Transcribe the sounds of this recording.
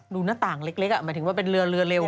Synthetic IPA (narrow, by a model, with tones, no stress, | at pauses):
duː˧naː˥˩t̪aː˨˩ŋle˦˥k̚le˦˥k̚ʔa˨˩maː˦j̪t̪ʰɯ˩˦wːpe˧nɾɯ˧ɐɾɯ˧ɐle˧w